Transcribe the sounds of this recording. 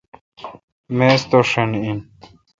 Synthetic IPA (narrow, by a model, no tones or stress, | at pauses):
meːst̪oʂenin